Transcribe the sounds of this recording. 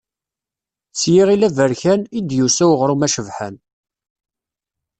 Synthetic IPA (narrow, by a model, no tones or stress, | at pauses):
t͡sːjiʁilævəɾçænid̪jusæwʁɾumæʃəvħə̰n